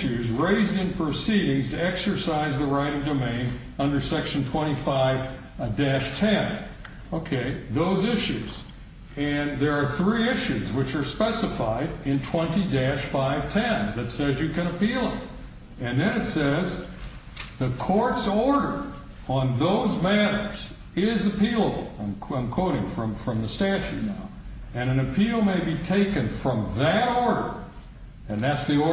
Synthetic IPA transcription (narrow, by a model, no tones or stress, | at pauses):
ʃʉzɹeɪzdɨ̃npʰɹ̥ɨsiɾɪ̃ŋz̥tʰɨɛksə˞saɪzðəɹaɪɾʌvdoʊmẽɪ̃n | ʌ̃ndə˞sɛkʃn̩tʰw̥ɛ̃ɾ̃ifaɪv | dæʃtʰɛ̃n | oʊkʰeɪðoʊzɪʃʉz̥ | ɨ̃nðə˞ːθɹiɪʃʉzwɨt͡ʃə˞spɛsɨfa̰ɪɾɪ̃ntʰw̥ɛ̃ntidæʃfaɪv̥tʰɛ̃nðɨtsɛzjɨkɨ̃ñəpilˠɪt | ɨ̃nðɨ̃ñɨtsɛz | ðɨkʰɔɹtsɔɹɾə˞ | ə̃nðoʊzmæɾə˞z̥ | ɪzɨpʰilˠəbl̩ˠãɪ̃mãɪ̃mkʰw̥oʊɾɪ̃ŋfɹʌ̃mfɹʌ̃mðɨstæt͡ʃʉtⁿnaʊ | ɨ̃nɨ̃nɨpʰilˠmeɪbitʰeɪkɨ̃nfɹʌ̃mðɨɾɔɹɾə̰˞ | ɨ̃nðætsðiɔ